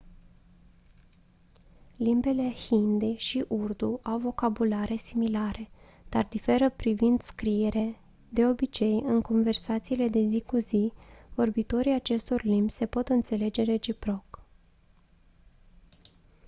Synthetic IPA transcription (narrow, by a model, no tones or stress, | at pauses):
limbe̞le̞hind̪eʃiʔurd̪uʔawvo̞kabulaɾe̞similaɾe̞ | d̪̥ard̪ife̞ɾəpɾivind̪skɾije̞ɾe | d̪e̞o̞bit͡ʃe̞jɨŋko̞nve̞rsat̪siːle̞d̪e̞zikuzivo̞rbit̪o̞ɾiat͡ʃe̞st̪o̞rlimbʲse̞po̞t̪ɨnt̪se̞le̞d͡ʒe̞ɾe̞t͡ʃipɾo̞k